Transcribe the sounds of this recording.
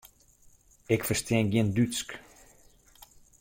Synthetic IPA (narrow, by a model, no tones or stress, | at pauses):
ɪkfərstiɛnɡiəndyt͡sk